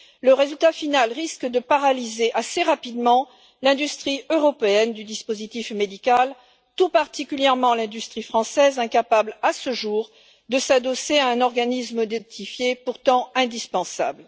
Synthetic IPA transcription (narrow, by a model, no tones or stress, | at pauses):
ləʁezylt̪afinalʁiskd̪əpaʁalizeʔaseʁapid̪mɑ̃ | lɛ̃d̪yst̪χiøʁɔpeɛnd̪yd̪ispozit̪ifmed̪ikal | t̪upaʁt̪ikʲyljɛʁmɑ̃lɛ̃d̪yst̪χifχɑ̃sɛzɛ̃kapablasəʒuʁ | d̪əsad̪ɔseaɛ̃nɔʁɡanisməd̪et̪ifjepuʁt̪ɑ̃ɛ̃d̪ispɑ̃sa̰bl